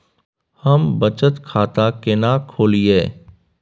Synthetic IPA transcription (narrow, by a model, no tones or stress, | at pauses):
həmbət͡ʃət̪kʰaːt̪akɪnaːkʰoːlieː